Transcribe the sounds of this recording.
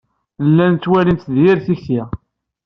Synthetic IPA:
lːænt̪ːwælint̪ðjɪɾθiçi

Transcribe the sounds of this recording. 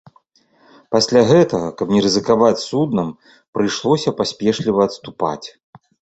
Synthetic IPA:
pasʲlʲaɣɛt̪ɐɣɐkɐpnʲɛɾɨzɨkavat͡sʲsud̪nɐm | pɾɨjʂlˠɔsʲɐpasʲpʲɛʂlʲivɐːt̪st̪upa̰t͡sʲ

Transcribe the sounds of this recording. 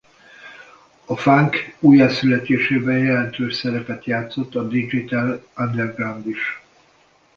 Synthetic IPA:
ɒfaŋkuːjasylɛt̪eːʃeːbɛjjɛlɛnt̪øːʃsɛɾɛpɛt̪jaːt̪so̞t̪ːɒd̪id͡ʒit̪aland̪ɛrɡrand̪iʃ

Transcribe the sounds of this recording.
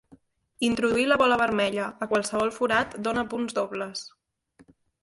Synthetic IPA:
int̪ɾuðuiləβɔləβəɾmɛʎəːkwalˠsəβ̞ɔlˠfuɾat̪d̪onəpunzd̪oβləs

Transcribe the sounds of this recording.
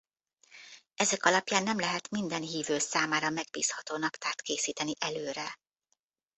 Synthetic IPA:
ɛzɛkɒlɒpjaːnːɛmlɛɦɛt̪mind̪ɛnɦiːvøːsaːmaːɾɒmɛɡ̚bḭːshɒt̪oːnɒpt̪ʰaːt̪keːsiːt̪ɛniʔɛløːɾɛ

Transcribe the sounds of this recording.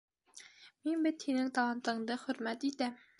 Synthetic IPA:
minbɘt̪hinɘŋt̪ɑlˠɑnt̪ɤ̆ɴd̪ɤχɵ̆ɾmæt̪it̪æm

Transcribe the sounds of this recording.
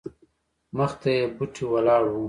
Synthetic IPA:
məxt̪ajebuʈʰiwɐlɑːɽu

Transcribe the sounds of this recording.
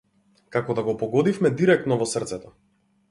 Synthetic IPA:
kakɔd̪aɡɔpɔɡɔd̪ifmɛd̪iɾɛk̚t̪nɔvɔsrt̪sɛt̪ɔ

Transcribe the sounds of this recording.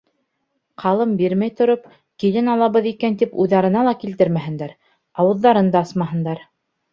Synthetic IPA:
qʰɑlˠɤmbiɾmæjt̪ŏɾop̚ | kilɘnɑlˠɑβɤðikænt̪ipujðɑɾɤ̆nɑlˠɑkilt̪ɘɾmæɦɘ̆nd̪æɾ | ɑwɤ̆ðːɑɾɤnd̪ɑɑsmɑɦɤ̆nd̪ɑɾ

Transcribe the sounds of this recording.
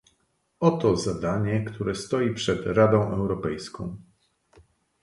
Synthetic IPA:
ɔt̪ɔzad̪aɲɛkt̪ʰuɾɛst̪ɔjipʂɛd̪ɾad̪ɔ̃w̃ʔɛwɾɔpɛjskɔ̃w̃

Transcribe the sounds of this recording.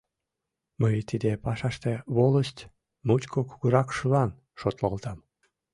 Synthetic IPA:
məjt̪id̪epɑʃɑʃt̪eβoləʃt̪ʲ | mut͡ɕkʰokuɣuɾɑkʃulɑn | ʃot̪lolt̪ɑm

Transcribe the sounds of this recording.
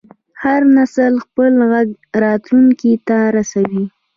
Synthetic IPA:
haɾnasəlxpəlɣaɡ | ɾɑt̪luŋkit̪aɾasawi

